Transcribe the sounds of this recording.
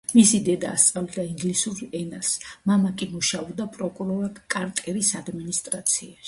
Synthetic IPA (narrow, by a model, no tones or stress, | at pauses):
misid̪ɛd̪a̰ːst̪sʼavlid̪aiŋɡlisuɾɛnasmamakʼimuʃaɔd̪apʼɾɔkʼuɾɔɾakʼaɾt̪ʼɛɾisad̪minist̪ʼɾat̪sʰiaʃi̥